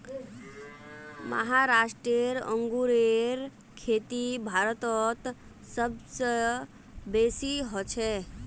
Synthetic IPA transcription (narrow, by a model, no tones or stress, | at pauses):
mə̰ɦaɾasʈɾeɾə̰̃ŋɡuɾeɾ | kʰet̪ibʱaɾət̪ɔt̪ | səbsə | besiɦɔt͡ʃʰɛ